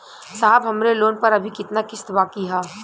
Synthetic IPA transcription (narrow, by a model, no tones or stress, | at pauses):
saːbɦɐmɾeloːnpɐɾɐbʱikɪt̪nakɪst̪ʋaːkiɦaː